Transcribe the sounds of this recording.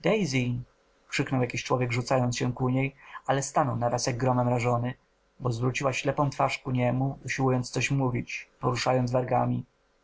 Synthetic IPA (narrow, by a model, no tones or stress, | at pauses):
d̪ɛjzʲi | kʂɘknɔwjakʲiɕt͡ʂwɔvʲjɛɡʐut̪sajɔnt̪sɕɛkuɲejalɛst̪anɔwnaɾasjaɡ̚ːɾɔmɛmɾaʐɔnɘ | bɔzvɾut͡ɕiwaɕlɛpɔ̃w̃t̪faʂkuɲɛmuuɕiwujɔnt̪ssɔɕmuvʲit͡ɕpɔɾuʂajɔnd̪vaɾɡamʲi